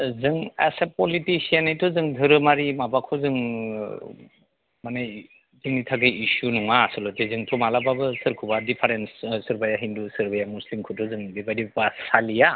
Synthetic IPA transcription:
zɯŋḛsepɔlitisianajtʰɔzɯŋdʱɯɾɯmaɾimabakʰɔzɯŋ | manaj | zɯŋnitʰaɡɯisunuŋasɯlɔtezɯŋtʰɔmalababɯsɯɾkʰubadipʰaɾenssɯɾbajaɦindusɯɾbajamuslimkʰutʰɔzɯŋdibajdibasalija

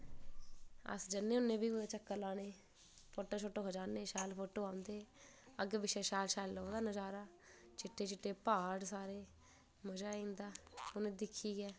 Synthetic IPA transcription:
ə̰sd͡ʒənːeːʊnːẽːbiːeːt͡ʃəkːəlãːneː | pʰoːʈoːt͡ʃʰoːʈːoːɦod͡ʒaːnːeːʃaːlpʰoːʈoːaːʊnd̪eː | əɡbɪʃɛːʃaːlʃaːlːoːd̪aːnəd͡ʒaːɾaː | t͡ʃɪʈʰːeːt͡ʃɪʈːeːpaːɽsaːɾeː | məd͡ʒaːĩːnd̪aːʊneːd̪ɪkʰːiːɡɛː

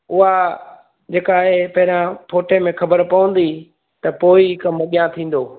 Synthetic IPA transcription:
ʊɦa | d͡ʑeːkaːɦepɐɦɪɾãpʰoːʈemẽxʰɐbəɾpɐʋə̃n̆d̪i | t̪ɐpoːikɐmɐɠijãt̪ʰĩːn̆d̪oː

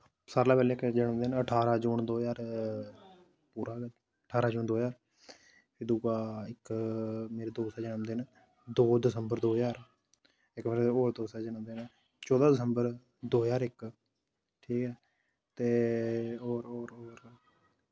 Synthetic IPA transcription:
saːɾlaːpɛːleːkd͡ʒəɳə̃md̪eːnəʈʰaːɾaːd͡ʒuːɳd̪oːjaːɾ | puːɾaː | əʈʰaːɾaːd͡ʒuːnd̪oːjaːɾ | pʰɪd̪uːkaːɪkmeːɾeːd̪oːsɛːd͡ʒəɳəmd̪eːn | d̪oːd̪ɪsəmbəɾd̪oːjaːɾ | ɪkːmeːɾeoːɾd̪oːsɛːd͡ʒənəmd̪eːn | t͡ʃɔːd̪aːd̪ɪsəmbəɾ | d̪oːjaːɾɪk | ʈʰiːkɛː | t̪eː | oːɾoːɾoːɾ

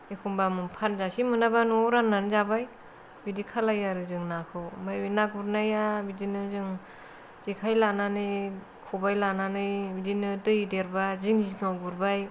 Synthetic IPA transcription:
ekʰumbamɯnpʰanzasimɯnabanuɾanːanzabaj | bidikʰalajaɾɯzɯŋnakʰɯwmajbinaɡuɾnajabidinɯzɯŋ | z̥ikʰajlananɯj | kʰubajlananɯjbidinɯdɯjideɾbaziŋzinawɡuɾbaj

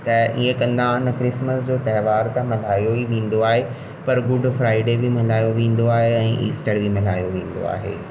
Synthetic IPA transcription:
t̪ɐiẽkɐ̃nd̪aʊnɐkɾɪsməsd͡ʑoːt̪ɐɦʋaːɾt̪ɐ̃mɐl̤aːijoiʋẽːn̆d̪oaːɦe | pɐɾɡʊɖfɾaːɪɖebɪmɐlaːjoʋẽːn̆d̪oaːɦeɛ̃ːʔiːsʈəɾbʱɪmɐl̤aːijoʋẽːn̆d̪o̰a̰ːɦḛː

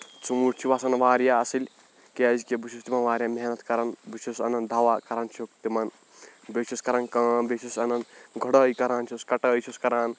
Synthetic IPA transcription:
t͡ʃumuʈt͡ʃʰiʋasɐnʋaːɾjaɐsilʲ | keɐzikebut͡ʃʰust̪imɐnʋaːɾijameɦnɐt̪kɐɾɐnbut͡ʃʰusɐnɐnd̪ʱɐʋaːkɐɾant͡ʃʰokt̪imɐn | bet͡ʃʰuskɐɾɐnkɐːmbet͡ʃʰusɐnɐnɡʱɐɽɐːikɐɾaːnt͡ʃʰuskɐʈəːjt͡ʃʰuskɐɾaːn

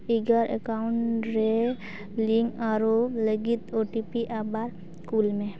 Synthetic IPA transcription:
iɡəɾekaʊɳʈɾe | liŋɡaɾoləɡit̪oʈipiʔabaɾ | kulmẽ

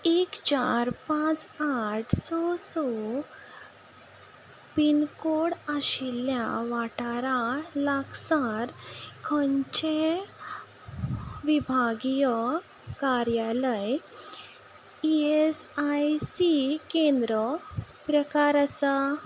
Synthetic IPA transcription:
ekt͡ɕaɾpãt͡saʈʰsɔsɔ | pinkoɽaɕilja̰ʋaʈaɾalaksaɾkʰəɲt͡ɕe | ʋibʱaɡijɔ | kaɾjaləj | iesajsikend̪ɾə | pɾəkaɾasa

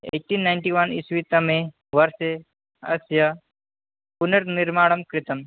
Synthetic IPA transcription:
ḛːk̚ʈiːnːaɪɳʈiʋɐnisʋit̪ɐmẽ | ʋɐɾse | ɐ̰sjɐ | punɐɾniɾmaːɽɐmkɾɪt̪ɐm

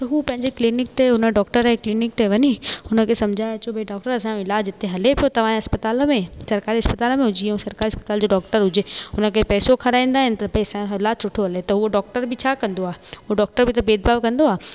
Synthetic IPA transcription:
t̪ɐɦuːpɐ̃ɦɪ̃ɲd͡ʑeklɪnɪk̚t̪eɦʊnəɖɔːkʈəɾeklɪnɪk̚t̪eʋɐɲiʊnə̆kʰesɐmd͡ʑʱaːet͡ɕobeɖɔːk̚ʈəɾɐsãɪlaːd͡ʑɪt̪ʰeɦɐlepijot̪ɐʋ̤ãɦɐspɐt̪aːlmẽsɐɾkaːɾiɦɐspɐt̪aːlmẽɦʊd͡ʑiũsɐɾkaːɾiɐspət̪aːld͡ʑoːɖɔːk̚ʈəɾɦʊd͡ʑeːʊnə̆kʰepɛːsokʰɐɾaːĩːnd̪aːɦɪnɪ̆t̪ɐbɐiɐsãɪlaːsʊʈʰoɦɐlet̪ɐɦuoɖɔːk̚ʈəɾbʱɪt͡ɕʰaːkɐ̃nd̪oaːɦuoɖɔːk̚ʈəɾbɪt̪ɐbeːd̪̚baːʋkɐ̃nd̪oaː

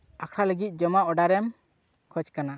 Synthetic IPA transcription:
akʰɾaləɡit̪̚ˀd͡ʒɔmaʔɔɖaɾɛm | kʰɔt͡ʃkana

